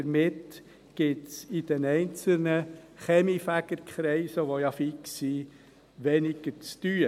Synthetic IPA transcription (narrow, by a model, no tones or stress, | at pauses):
əɾmɪt | ɡ̥ɪtsid̥ɛnɛɪnt͡sl̩nəχɛmifæɡ̥əɾkχɾɛɪsəʋojɑfiksi | ʋɛnɪɡ̥əɾt͡sty